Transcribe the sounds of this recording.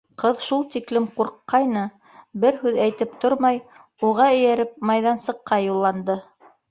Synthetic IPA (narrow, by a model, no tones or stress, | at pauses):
qɤðʃulˠt̪iklɘmquɾqːɑjnɤ | bɘɾhʉðæjt̪ɘpt̪oɾmɑj | uʁɑɵ̆jæɾɘp̚mɑjðɑnsɤ̆qːɑjulˠːɑnd̪ɤ